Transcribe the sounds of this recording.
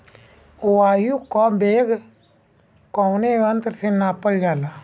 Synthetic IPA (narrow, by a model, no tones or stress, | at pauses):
uaːjukɔbeːɡ | kɔwneʋənt̪ɾsinaːpəld͡ʒaːla